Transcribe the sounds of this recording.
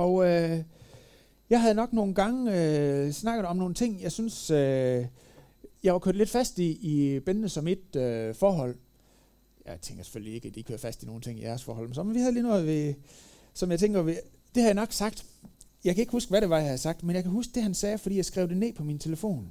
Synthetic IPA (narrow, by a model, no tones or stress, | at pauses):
ɒ̽ʊø | jɑ̈ɪɦæðˠnɒ̽ɡ̥no̝ːn̩ɡ̥ɑ̈ŋəøsnɑ̈ɡ̥ð̩ˠɒ̽mno̝ːn̩t͡sʰe̝ŋ̰jɑ̈ɪsynsø | jɑ̈ʋɑkʰø̰ɐd̥le̝d̥fæsd̥iːb̥ennəsɒ̽mid̥øfɒːɦɒ̽l̰ | jɑɪt͡sʰeŋɡ̥ɐse̥føllie̝ɡ̥æd̥ikʰø̰ɐ̰̥fæsd̥ino̝ːn̩t͡sʰe̝ŋ̰id̥æɐsfɒ̰ːhɒ̽l̰mensɒ̽menʋihæðˠlinɔ̽ːð̩ˠʋe̝ | sɒ̽mjɑ̈ɪt͡sʰeŋɡ̥ɐʋe | d̥e̝hæjɑ̈nɒ̽ɡ̥sɑ̈ɡ̥̚d̥jɑ̈ɪkʰæe̝ɡ̥əhusɡ̥ʋæɾe̝ʋɑ̈jɑhæsɑ̈ɡ̥d̥menjɑ̈kʰæɦusɡ̥̚d̥e̝ɦænsɛːfɒ̽d̥ḭːjɑ̈ɪsɡ̥ʁɛ̰ʊd̥e̝ne̝̰ːpʰɒ̽mint͡sʰe̝ləfo̝̰ːn